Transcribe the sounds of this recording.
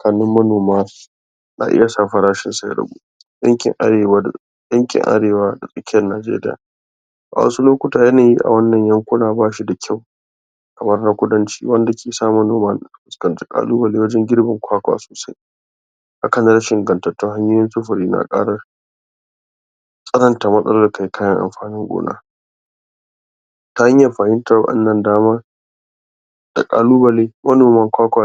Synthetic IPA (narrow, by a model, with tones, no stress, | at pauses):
sʼɐ˨kaː˨nɪ˦mːɐ˦noː˨ma˦s | na̰˨ʔɪ̰˦ja˨saː˦˨ɸɐ˨ɾaː˦ʃɪ˨nsa˦ɾɐ̰˨ɡṵ˦ | ɗɐ̰˦ŋkʲɪ̰˨ŋʔ | jɐ˦ŋkʲɪ̰˨ŋʔa̰˦ɽeː˨waː˦da̰˨sʼɐ˦kʲɪ˦jɐ˨nːaː˨d͡ʒḛː˦ɾɪ̰˦ja̰ː˨ | ʔa̰˨wɐ̰˦su˦loː˦kʷʊ˦taː˨jɐ˦naː˨jḭ˦ʔa̰˨wɐ˦nːɐ˨ɲjɐ˦ŋkʷʊ˦naː˨baː˦ʃi˦da˨kʲʰa˦˨w | kɐ˨mɐ˦rna˦kʷʊ˦dɐ˦nt͡ʃi̥̰ː˦wɐ˦nda˨kʲeː˨saː˦mɐ˦noː˨ma˦n˨ɸʊ˨skɐ˨nta˦kʼa̰ː˦luː˦wɐ˨le˦wɐ˦d͡ʒɛ˦ŋɡʲɪ˦ɽbɐ˨ŋkʷʰaː˦kʷa̰ː˨soː˨sa˦j | ʔa˦kɐ˨na˦ɾɐ˦ʃɪ˨ŋɡɐ˨ntɐ˨tːʊ˦ɦa˦ɲjoː˦jɪ˦nsʊ˦ɸɐ˨ɾiː˦na̰˨kʼa̰ː˦ɽɐ˦ | sʼɐ˦lɐ˦˨nta˨mɐ˦sʼɐ˦loː˦˨kʰa˨jkʰaː˦jɐ˦ŋʔa̰˨mɸaː˨nɪ˦ŋɡʷʼo̰ː˦na̰ː˦ | ta˦ha˦ɲjɐ˨ɸaː˨hɪ˦nta˨wɐ̰˦ɗɐ̰˦nːɐ˨ndaː˦maː˦ | d̥a̰˨kʼa̰ː˨luː˦bɐ˨leː˦mɐ˦noː˨mɐ˦˨ŋkʷaː˦kʷa˨